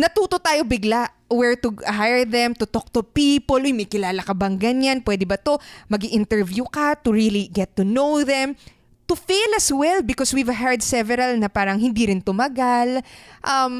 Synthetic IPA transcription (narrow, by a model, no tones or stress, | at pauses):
nɐt̪uːt̪ot̪aːjo̞bɪɡlaʔ | wɛɹt̪ʊɦajɹðɛmt̪ʊt̪ok̚t̪ʊpiːpolʔʊjmɐjkɪlaːlɐkɐbɐŋɡɐɲanpwɛːd̪ɛbɐt̪o̞mɐɡiʔɪnt̪ɛɹvjukɐt̪ʊɹiliɡɛt̪ːʊnowðɛm | t̪ʊfejlɐswɛlbɪkoswivɐɦɛɹd̪sɛvɛɾɐlnɐpaːɾɐŋhɪnd̪iɾɪnt̪ʊmɐɡalʔɐm